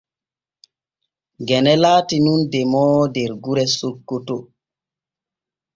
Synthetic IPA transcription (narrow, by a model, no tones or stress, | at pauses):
ɡɛnɛlaːtinundɛmɔːdɛɾɡuɾɛsokːoto